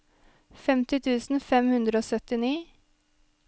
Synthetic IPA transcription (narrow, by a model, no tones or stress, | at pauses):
fɛmt̪ɪt̪ʰʉːsn̩fɛmhʉnd̪ɾəoːsœt̪ɪniː